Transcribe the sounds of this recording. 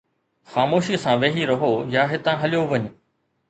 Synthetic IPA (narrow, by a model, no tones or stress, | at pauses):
xaːmoːʃisãʋeːɦiɾɐɦojaːɦɪt̪ãɦɐljoʋɐɲ